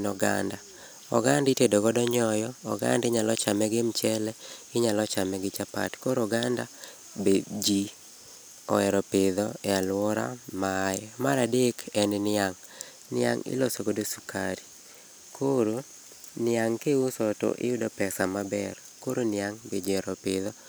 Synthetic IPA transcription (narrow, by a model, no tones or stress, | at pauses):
nɔɡa̰nda | ɔ̰ɡanditedoɡɔdɔɲɔjɔɔ̰ɡa̰ndɪɲalɔt͡ʃamɛɡemt͡ʃɛlɛɪɲalɔt͡ʃamɛɡɪt͡ʃapa̰tkoɾɔɡanda | bed͡ʒi | ɔ̰ɛɾɔpɪd̪ɔɛalwɔɾa̰majɛmaɾadekʰɛnnɪaŋ | nɪa̰ŋɪ̰lɔsoɡodosuka̰ɾi | kʰoɾo | nɪaŋkeusɔto̰ʔɪ̰jʊdopɛsamabɛr | koɾonɪaŋbed͡ʒɛɾɔpɪðɔ